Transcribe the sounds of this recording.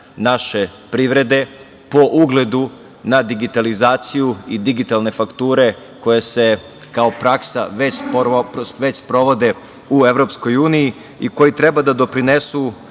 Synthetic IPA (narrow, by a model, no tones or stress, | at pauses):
naʃe̞pɾiʋɾe̞d̪e̞ | po̞ʔuɡle̞d̪u | nad̪iɡit̪alizaːt̪sijuid̪iɡit̪alˠne̞fakt̪uːɾe̞ | ko̞jese̞ | kaopɾaksa̰ʋet͡ɕpʋet͡ɕspɾo̞ʋo̞d̪e̞ | ue̞ʋɾo̞psko̞juːniji | iko̞jit̪ɾe̞bad̪ad̪o̞pɾinesu